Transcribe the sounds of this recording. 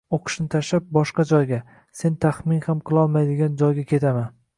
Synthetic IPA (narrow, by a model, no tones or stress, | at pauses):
oqʰɨ̥ʃnɪt̪ʰaʃlap̚bɒʃqɑd͡ʒɒjɡʲa | se̞nt̪ʰaχmɪnhamqʰɨlˠɒlˠmajd̪ɪɡʲand͡ʒɒjɡʲakʲʰe̞t̪ʰaman